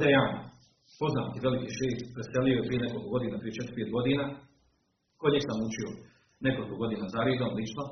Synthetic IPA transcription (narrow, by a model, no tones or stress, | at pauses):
d̪ejan | po̞znaːt̪iʋe̞likiʃeːst̪pɾeseliojepɾije̞neko̞lˠikoɡo̞d̪iːnapɾije̞t͡ʃet̪ɾ̥peːt̪̚ɡo̞d̪iːnaː | ko̞d̪ɲeksamut͡ʃio | neko̞lˠikoɡo̞d̪iːnazaɾiːd̪omlˠit͡ʃno